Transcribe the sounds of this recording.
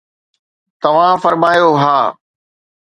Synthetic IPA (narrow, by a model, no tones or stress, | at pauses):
t̪ɐʋ̤ãfɐɾmaːjoɦaː